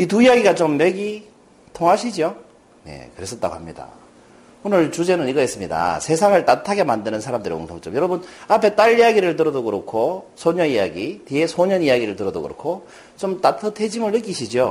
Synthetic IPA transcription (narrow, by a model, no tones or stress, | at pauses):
it̬uijaɡiɡat͡ɕomːe̞ɡi | tʰoŋɦaɕʰid͡ʑio | ne̞̰kɯɾe̞s͈ʌt͈̚a̰ɡo̰hamɲida̰ | onɯɭt͡ɕud͡ʑe̞nɯniɡʌɦes͈ɯmɲida̰sʰe̞sʰaŋɯɭt͈atʰaɡe̞mandɯnɯnsʰaɾamdɯɾḭko̰ŋtʰoŋt͡ɕ͈ʌmjʌɾʌbɯnapʰe̞t͈aʎːijaɡiɾɯɭtɯɾʌdoɡɯɾokʰosʰoɲʌnijaɡitiesʰoɲʌnijaɡiɾɯɭtɯɾʌdo̰kɯɾo̰kʰo | t͡ɕomt͈atʰɯtʰe̞d͡ʑimɯɭːɯk̬͈iɕʰid͡ʑio